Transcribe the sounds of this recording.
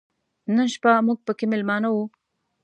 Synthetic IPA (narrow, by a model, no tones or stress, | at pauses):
nənʃpamuɡ̚pəkemɪlmɑnawu